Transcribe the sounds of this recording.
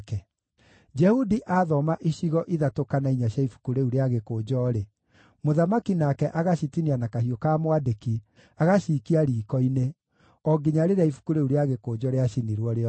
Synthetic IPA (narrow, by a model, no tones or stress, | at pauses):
kɛ | d͡ʒɛhudiʔaðɔmaʔiɕiɣɔʔiðatokanaiɲaɕjaifu̥kuɾeuɾeaɣekoːd͡ʒɔːɾe | moðamakinakɛʔaɣaɕitinianakahiɔkaːmwadeki | aɣaʃiːkiaɾiːkɔine | ɔɡiɲaɾeɾeaifu̥kuɾeuɾeaɣekod͡ʒɔɾeaɕiniɾwɔɾe